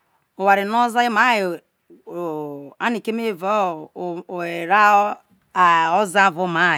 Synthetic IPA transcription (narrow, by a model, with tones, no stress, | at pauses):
o˨wa˨ɾi˨no˦za˦i˦ma˦j | a˦ni˨ke˦me˦˨vo˦˨ | e˨ɾa˦ | a˨o˦za˦˨vo˦ma˦˨